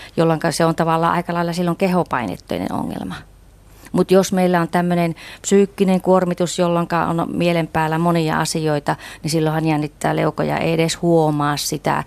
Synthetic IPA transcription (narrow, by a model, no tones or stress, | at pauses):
jolːoŋkɑseont̪ɑʋɑlːɑ̰ːʔɑ̰ikɑlɑilːɑsilːoŋkehopɑinḛt̪ːuḛinḛno̰ŋːḛlmɑ | mut̪josmeilːæont̪æmːønenpsyːkːineŋkuormit̪usjolːoŋkɑ̰o̰nmielempæːlːæmonijɑ̰ɑsijoit̪ɑnisilːohɑnjænːit̪ːæ̰ːlḛuko̰jɑ̰ḛieɾeshuomɑːssit̪æ̰